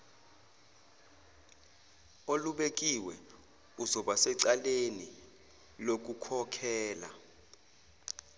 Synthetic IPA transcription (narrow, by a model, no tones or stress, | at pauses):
oluɓek̬ʼiwɛ | uzɔɓasɛǀaleni | lok̬ukʰɔkʰɛːla̰